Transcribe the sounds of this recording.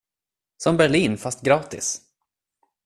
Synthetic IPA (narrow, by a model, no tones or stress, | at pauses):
sɔmbæɭiːnfast̪̚ɡɾɑːt̪ɪ̰s